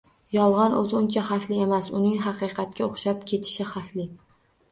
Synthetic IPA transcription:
jɒlˠʁɑnʔot̪ʰʊnt͡ʃʰaχɑflɪe̞masʊnɪŋɦɑqɨjqʰɑt̪̚kʲaoχʃapkʲʰe̞t̪ʰɪ̥ʃɪχɑflɪ

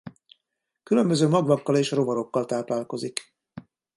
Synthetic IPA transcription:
kylø̞mbø̞zøːmɒɡvɒkːɒleːʃro̞vɒɾo̞kːɒlt̪aːplaːlko̞zik

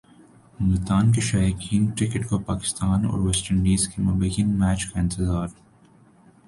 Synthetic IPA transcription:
ʊmɪt̪aːnk̬eʃaːjakiːnkɾɪkɪʈkopaːkɪ̥st̪aːnɔ̰ːɾʋɛsʈəɳɖiːzkemɐbɐjənmɛːt͡ʃkaɪ̃nt̪ɪzaːɾ

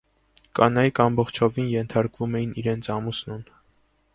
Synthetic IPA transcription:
kɑnɑjikʰɑmbɔχt͡ʃʰɔvinjɛnt̪ʰɑɾkvumɛjiniɾɛnt͡sʰɑmusnun

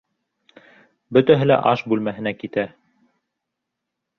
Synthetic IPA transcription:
bɵ̆t̪æɦɘlæ̰ʔɑʃbʉlmæɦɘ̆nækit̪æ

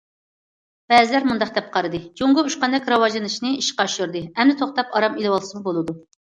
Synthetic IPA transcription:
b̥ɛzɪlæɾmund̪ɑχ̚d̪ɛp̚qʰɑɾɨd̪ɨd͡ʒoŋʁʊuʃqɑnd̪ɛkʲɾɑwɑʒɨnɨʃnɨiʃqɑʃuɾd̪ɨɛmd̪ɪt̪ʰoχt̪ɑpɑɾɑmilɨwɑlˠsɨmbolˠɨd̪u

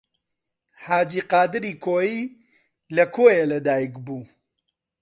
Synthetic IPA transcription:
haːd͡ʒiːqɑːd̪ɨɾiːkʰoːjiː | lɐkʰoːjelɐd̪aːjikbuː

